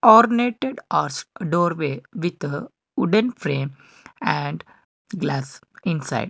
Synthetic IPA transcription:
ɔːɾneːʈeɖaːɾsɖoːɾʋeːʋit̪ə | uɖə̃nfɾẽːm | æ̃ɳɖ | ɡlaːs | ĩnsa̰ɪɖ

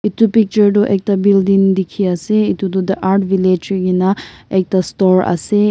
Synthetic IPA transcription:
it̪upik̚t͡ʃəɾd̪oʔek̚t̪abildiŋd̪ikʰiaseit̪ud̪od̪ɐʔaɾʈʋiled͡ʒɡinaek̚t̪astɔɾɐ̰se

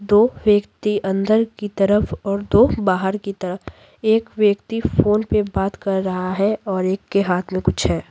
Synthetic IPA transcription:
d̪oːʋjəkt̪iʔɐ̃nd̪əɾkit̪ɐɾəfɔːɾd̪oːbaːɦəɾkit̪ɐɾəf | eːkʋjəkt̪ifoːnpebaːt̪kɐɾːɐɦaɦɛɔːɾeːkːeɦaːt̪ʰmẽkʊt͡ʃʰɦɛː

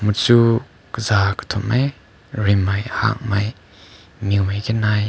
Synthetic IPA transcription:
mut͡su | kəzaːkə̥t̪ʰumʔaj | rimːɐjha̰ʔ̚mɐj | miŋmajkɛnaj

